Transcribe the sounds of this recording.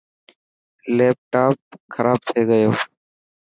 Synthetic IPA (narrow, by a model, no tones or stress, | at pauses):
leːp̚ʈaːp̚kʰəɾaːb̚t̪ʰeːɡəjoː